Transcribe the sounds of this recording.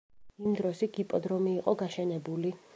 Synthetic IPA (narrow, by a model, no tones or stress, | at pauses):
imd̪ɾɔsiɡ̥ipʼɔd̪ɾɔmiːqʼɔɡaʃɛnɛbuli